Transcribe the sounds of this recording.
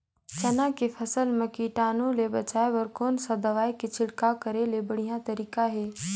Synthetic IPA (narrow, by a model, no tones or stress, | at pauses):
t͡ʃɐnakepʰɐsəlməkiʈaːnõlebɐt͡ʃaːeʋɐɾkoːnsad̪ɐʋaːikit͡ʃʰɪɽkakəɾelebəɽ̤ijãt̪ɐɾiːkaɦɛː